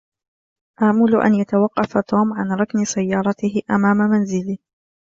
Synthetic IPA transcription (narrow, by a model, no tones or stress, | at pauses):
ʔaʕmʊlʊʔa̰njat̪awɑqːɑfat̪ʰoːmʕanɾˤɑknɪsajːɑːɾˤɑt̪ɪhɪʔamaːmamanzɪlɪh